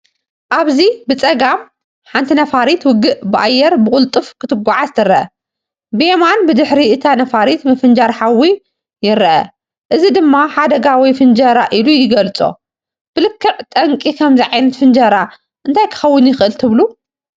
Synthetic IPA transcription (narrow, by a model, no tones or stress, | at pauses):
ʔaβzibɨt͡sʼɐɡam | ħant̪ʰinɐfaɾit̪wʊɡɨʔbɨʔajːɛɾbɨkʼʊlt̪ʼɨfkʰɨt̪ʰɨɡʷaʕazt̪ʰɨɾɐʔɐ | bemanbɨd̪ɨħɾiʔɨt̪ʰanɐfaɾit̪mɨfɨnd͡ʒaɾħawi | jɪɾɐʔɐ̰ | ʔɨzid̪ɨmːaħad̪ɐɡawijfɨnd͡ʒɐɾaʔilujɪɡɐlt͡sʼo̞̰ | b̥ɨlɨkʰːɐʔt̪ʼɐŋkʼikʰɐmziʕajnɐt̪fɨnd͡ʒɐɾa | ʔɨnt̪ʰajkʰɨ̥xɐwːɨnjɪxʔɨlt̪ʰɨβlu